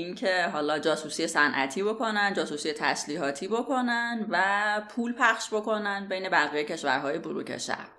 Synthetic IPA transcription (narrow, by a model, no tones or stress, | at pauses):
incʰeɦɒːlɒːd͡ʒɒːsuːsijesænʔæ̰t̪ʰiːbo̞kʰo̞nænd͡ʒɒːsuːsiːjet̪ʰæ̰sliːɦɒːt̪ʰiːbo̞kʰo̞nænd̪væpʰuːlpʰæχʃbo̞ko̞nænd̪be̞jne̞bæɣijejcʰe̞ʃvæ̰ɾɦɒːje̞buɾṵːcʰḛʃæ̰ɾ̥